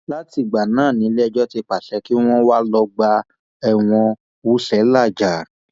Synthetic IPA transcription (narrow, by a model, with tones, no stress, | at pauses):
la˦ti˧˨ɡ͡ba˨nãː˦˨nĩ˨˦lɛ˦˧˨d͡ʒɔ˦te˧k͡pa˨ʃɛ˨˦ki˦w̃ɔ̃˦wa˦lɔ˧ɡ͡ba˧ | ɛ˨w̃ɔ̃˧ | wu˦ʃɛ˨˦la˦˨d͡ʒa˨